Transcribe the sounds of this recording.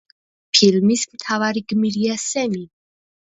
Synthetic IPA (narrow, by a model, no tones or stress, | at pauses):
pʰilmismt̪ʰavaɾiɡmiɾiasɛni